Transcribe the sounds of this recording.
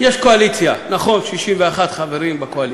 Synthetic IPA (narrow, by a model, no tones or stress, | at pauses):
jeʃkoalit͡sjanaχo̞nʃiʃimveaχat̪χaveʁimbakoali